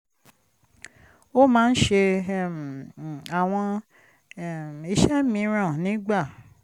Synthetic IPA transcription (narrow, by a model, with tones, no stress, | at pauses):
o˦mãː˦n̩˦ʃe˧m˨a˨w̃ɔ̃˧˦˨ | i˧ʃɛ˦mĩ˧ɾ̃ã˦˨nĩ˨˦ɡ͡ba˦˨